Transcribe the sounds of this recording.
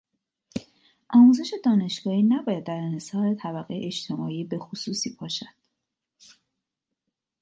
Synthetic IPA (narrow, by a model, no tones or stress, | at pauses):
ʔɒːmuze̞ʃe̞d̪ɒːne̞ʃɡɒːhiːnæbɒːjæd̪̚ːæɾenhesɒːɾe̞t̪ʰæbæɣeḛʔet͡ʃt̪ʰe̞mɒːiːbe̞xusuːsiːbʰɒːʃæd̪̥